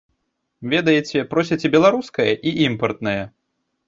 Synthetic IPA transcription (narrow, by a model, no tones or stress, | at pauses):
vʲɛd̪ɐjet͡sʲɛpɾɔs̬ʲɐt͡sʲɛbʲɛlˠaɾuskɐjɐʔiʔimpɐrt̪nɐjɐ